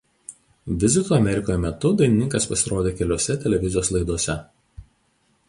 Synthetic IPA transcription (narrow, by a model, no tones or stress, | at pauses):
ʋʲɪzʲɪt̪uːɐmʲɛɾʲɪkoːjɛmʲɛt̪ʊd̪ɐɪnʲɪnʲɪŋkɐspɐsʲɪɾoːd̪ʲeːkʲɛlʲoɔsʲɛt̪ʲɛlʲɛʋʲɪzʲɪjoːslˠɐɪd̪uɔsʲɛ